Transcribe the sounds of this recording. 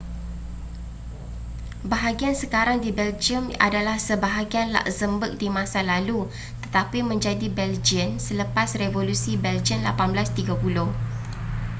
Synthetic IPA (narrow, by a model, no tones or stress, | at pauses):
baɦaɡiansəkaɾaŋdibɛld͡ʒiəma̰dalahsəbaɦaɡianla̰ʔzəmbək̚dimãsalalu | t̪ət̪apimə̃ɲd͡ʒadibɛld͡ʒiənsələpasrevolusibɛld͡ʒiənlapanblast̪iɡapulʊh